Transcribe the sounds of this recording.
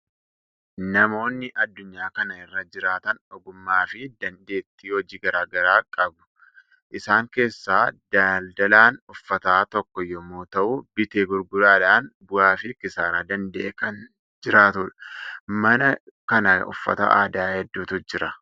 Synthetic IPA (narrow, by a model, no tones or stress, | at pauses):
nɐmo̞ːnːɪʔɐd̪ːʊɲːaːkɐnɐɪrːɐd͡ʒɪɾaːt̪ɐnɔɡʊmːaːfɪd̪ɐnd̪e̞ːt̪ːiːhɔd͡ʒiːɡɐɾaːɡɐɾaːkʼɐbʊ̥ | ʔɪsaːŋke̞ːsːaːd̪aːld̪ɐlaːnʊfːɐt̪aːt̪ɔkːɔjɔmoːt̪ɐʔʊbɪt̪eːɡʊɾɡʊlaːlaːnbʊaːfɪkɪsaːɾaːd̪ɐnd̪ɐʔeːkɐn | d͡ʒɪɾaːt̪ʊᶑɐ̥mɐnɐkɐnɐʊ̰fːɐ̰t̪ɐ̰ʔa̰ːd̪aːhɛd̪ːuːt̪ʊd͡ʒɪɾɐ